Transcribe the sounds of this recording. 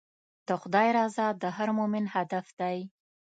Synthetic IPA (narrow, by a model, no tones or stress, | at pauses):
d̪̥əxʊd̪ɑjɾɑzɑd̪əɦaɾmʊmɪnhad̪afd̪̥aj